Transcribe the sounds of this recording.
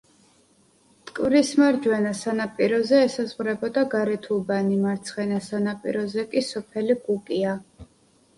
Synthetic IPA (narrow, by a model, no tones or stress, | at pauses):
t̪ʼkʼvɾismaɾd͡ʒwɛnasanapʼiɾɔzɛːsazʁɾɛbɔd̪aɡaɾɛt̪ʰubanimaɾt̪sʰχɛnasanapʼḭɾɔzɛkʼisɔpʰɛliɡukʼia